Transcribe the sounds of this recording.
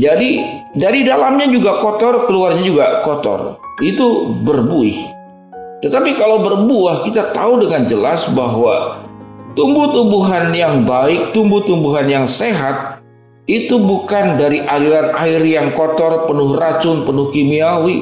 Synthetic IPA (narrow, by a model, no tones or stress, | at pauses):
d͡ʒadidaɾidalamɲad͡ʒuɡakɔt̪ɔrkəluarɲad͡ʒuɡakɔt̪ɔ̰rit̪ubərbuɪh | t̪ət̪apikalawbərbuahkit̪at̪audəŋand͡ʒəlasbaɦwa | t̪umbuht̪umbuɦanjaŋbaɪk̚t̪umbuht̪umbuɦanjaŋseɦat̪̚ | it̪ubukandaɾiʔadilanairjaŋkɔt̪ɔrpənʊhrat͡ʃʊnpənʊhkimiawi